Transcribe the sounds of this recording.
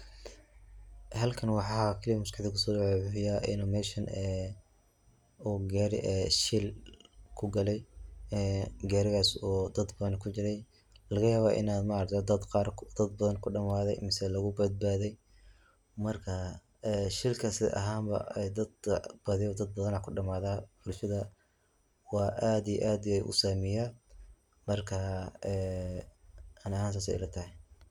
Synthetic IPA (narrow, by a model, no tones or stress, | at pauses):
ɦɐlkʰɐnwɑħɑːkʰɐlijɐmʊskɑħd̪ɪkʰʊsɔːdʊʕɛʊħɪjaːʔɪ̰nɔmɛːʃɐnɛː | uːɡɛːɾɪ̰ʔɛʃɪlkʰʊɡɐlɛjɛːɡɛːɾɪɣaːsuːd̪ɐd̪bɐðɐnkʰʊt͡ʃɪɾɛj | lɐɣɐjaːβaːʔɪ̰naːd̪mɐɐɾd̪ʰɔd̪ɐd̪qɑːrd̪̥ɐd̪bɐðɐnkʰʊɖɐmaːðɛ̰jmɪsɛlɐɣʊbɐd̪̚baːðɛj | mɐrkʰɐ | ɛʃɪlkʰɐsɪ̰ʔɐ̰ɦaːmbɐ̰ɛd̪ɐd̪bɐðɪɔd̪ɐd̪̚bɐðɐnakʰʊɖɐmaːðaːħʊlfɐðɐ | wɑːʔaːd̪ij̰ʔaːd̪jɛjʔʊ̰saːmɪjaː | mɐrkʰɐɛː | ɐnɐɦaːns̬aːsɛ̰jlɐt̪ʰɐhɛ